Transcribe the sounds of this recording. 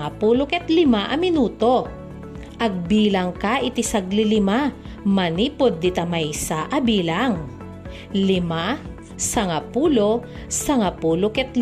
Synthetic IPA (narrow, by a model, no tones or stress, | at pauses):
apuːlokɛt̪lɪmaʔɐmɪnuːt̪o̞ | ʔɐɡ̚biːlɐŋkaʔɪt̪ɪsaɡlɪlɪma | mɐniːpod̪̚ːɪt̪ɐmajsaʔɐbiːlaŋ | lɪma | sɐŋapuːlo̞ | sɐŋapuːlokɛt̪̚l